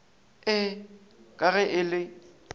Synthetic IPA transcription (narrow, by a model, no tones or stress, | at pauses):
ɪkʼaɣɛʔɪlɪ